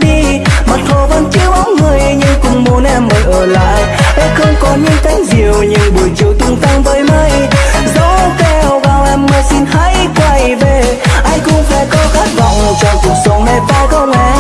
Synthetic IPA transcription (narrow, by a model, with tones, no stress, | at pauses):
ɗi˧ | ma˨˩t̚ho˧˩və̰˧˦nt͡ɕi˧əwʔa˨˦wŋ͡mŋɨ˨˩əjɲɨ˧ŋkʊ̰˧˩ŋ͡mmu˨˦ənʔɛ˧mːəː˨˩jʔəː˧˩la̰ː˧˨jʔa˧xə˧wŋ͡mkɔ˨˦ɲɨ̰˧˥ŋka˨˦jŋzi˨˩əwɲɨ̰˧ŋɓɨ˨˩əjt͡ɕi˧˩wt̪ʊ˧ŋ͡mt̪a˧ŋvəː˨˦jmə˧jzə˨˦wkɛ˧˩˨wvaː˨˩wʔɛ˧mmaː˨˩si˧nha˧˥jkwa˧˩jɓe˧˩ʔa˧j̟kʊ̰˧˥wŋ͡mfa˧˩kɔ˨˦xaː˦˥t̚va˨˩wŋ͡mmo˨˩t̚t͡ɕɔ˧ŋ͡mku˨˩ək̚sə˨˦wɗe˧˩paː˧ɣə˧wŋ͡mʔɛ˧˩